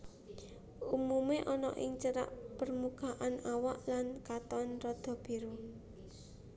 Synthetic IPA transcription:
umumeʔɔnɔ̰ʔɪ̰ŋt͡ʃəɾa̰ʔpərmukaʔanawaʔlankat̪ɔnrɔd̪̥ɔ̤b̥i̤ɾu

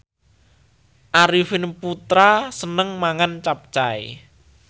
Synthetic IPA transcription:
ʔaɾifɪnput̪ɾasənəŋmaŋant͡ʃap̚t͡ʃaḛ

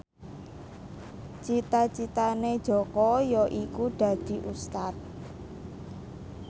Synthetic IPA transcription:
t͡ʃit̪at͡ʃit̪ane̥ʒ̥ɔ̤kɔjɔʔikuɖ̪̥ä̤d̪̥i̤ʔust̪at̪̚

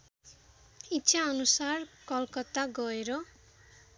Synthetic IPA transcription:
itːʃʰaʌnusarkʌlkʌt̪aɡʌeɾʌ

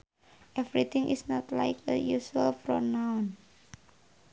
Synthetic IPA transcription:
ʔɛvɾit̪ɪ̃ŋʔḭsnɔt̪la̰jkə̰juʃualfɾo̰nawn

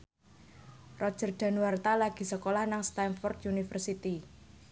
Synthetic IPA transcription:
rɔ̥d͡ʒ̥ərd̪̥a̤nwart̪alaɡ̥i̤səkolahnaŋst̪anfɔrt̪unifərsit̪i

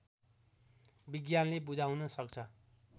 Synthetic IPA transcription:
biɡjanlebud͡zawnʌsʌk̚t͡sʰʌ

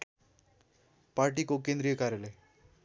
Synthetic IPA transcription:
paɾʈikokẽnd̪ɾijəkaɾjaləj

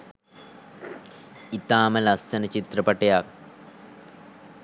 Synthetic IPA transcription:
it̪aːməlɐsːɐnət͡ʃit̪rɐpɐʈejak̚

